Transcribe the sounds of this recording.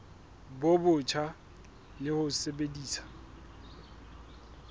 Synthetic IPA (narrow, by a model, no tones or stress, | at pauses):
bobʊt͡ʃʰa | lɪhʊsebediːsḁ